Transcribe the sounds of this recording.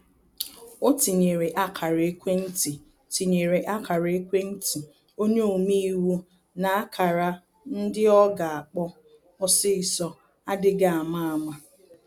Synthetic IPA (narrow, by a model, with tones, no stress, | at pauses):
o˦ti˨ɲe˨ɾe˨ʔa˦kʰa˨ɾe˦kʷe˦n̩˦ti˨ | ti˨ɲe˨ɾe˨ʔa˦kʰa˨ɾe˦kʷe˦n̩˦tʰi˨ | o˦ɲe˦o˨mi˦i˦wu˦ | na˨a˦kʰa˨ɾa˦ | n̩˦dɪ˦ɔ˦ɡa˨a˨k͡pɔ˦ | ɔ˦sɪ˦ɪ˨sɔ˦ | a˦dɪ˦ɡa˦˨a˨ma˦a˨ma˦˨